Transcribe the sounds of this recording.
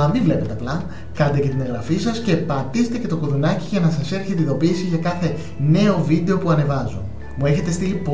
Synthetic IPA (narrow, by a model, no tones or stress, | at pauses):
ɐmivle̞pe̞t̪e̞ɐplɐ | kɐnd̪ecet̪ineɣɾɐfisɐsce̞pɐt̪iset̪e̞ce̞t̪o̞kuðunɐciʝɐnɐsɐse̞ɾçet̪eiðo̞piːsiʝɐkɐθe̞ | ne̞o̞vid̪e̞o̞puɐne̞vɐzun | mue̞çe̞t̪e̞st̪ilipo